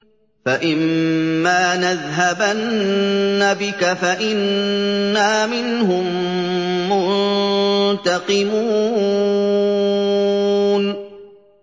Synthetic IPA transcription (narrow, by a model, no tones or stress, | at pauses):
faʔɪmːaːnaðɦabanː | abɪkafaʔɪnː | aːmɪnɦʊmː | ʊn | t̪ɑqɨmuː | n